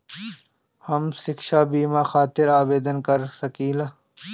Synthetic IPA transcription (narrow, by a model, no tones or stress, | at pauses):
hɐmsɪkʃaːbiːmaːxaːt̪ɪɾaːbeːd̪ənkɐɾsɐkiːla